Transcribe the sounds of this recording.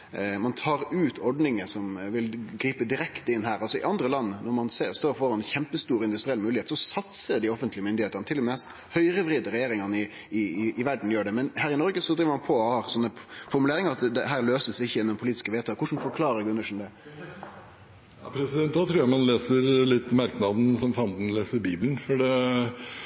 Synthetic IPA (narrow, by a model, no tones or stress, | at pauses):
mɑnt̪ʰɑːɾʉːt̪ʰɔɖnɪŋəsɔmʋɪlɡɾiːpəd̪ɪɾɛkt̪ɪnɦæːɾɑlsɔɪ̰ʔɑnd̪ɾəlɑnːnɔɾmɑnseːst̪oːɾfɔɾɑɛnçɛmpəst̪uːɾɪnd̪ʉst̪ɾɪɛlmʉːlɪheːt̪sɔsɑt̪səd̪ɪɔfənt̪lɪəmʏnd̪ɪeːt̪ənət̪ʰɪlɛmɛst̪ | hœʏɾəʋɾiːd̪əɾɛjeːɾɪŋɑnɪ | ɪɪɪʋæɖn̩jøːɖɛmɛnhæːɾɪnɔɾɡəsɔd̪ɾiːʋəmɑnpʰɔɔhɑːsɔnːəfɔɾmʉleːɾɪŋəɾɑt̪d̪ɛ̰ɦæːɾløːsəsɪçːəɪnʊmpʰʊliːt̪ɪ̥skəʋeːt̪ʰɑːkʊʂn̩fɔɾkʰlɑːɾəɡʉnəʂn̩d̪ɛ | ɑpʰɾɛsɪd̪ɛnt̪̚d̪æt̪ʰɾʉːjɑmɑnleːsəɾlɪt̪ːmɑɾknɑd̪nsɔmfɑnd̪n̩leːsəɾbiːbln̩fɔɖɛ